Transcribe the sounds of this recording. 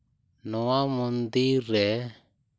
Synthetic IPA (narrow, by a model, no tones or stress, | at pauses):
nɔwamɔnd̪iɾɛ